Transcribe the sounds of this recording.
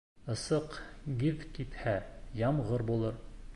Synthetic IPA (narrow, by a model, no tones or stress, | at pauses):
ɤ̆sɤqɡiðkit̪hæjɑmʁɤɾbulˠɤɾ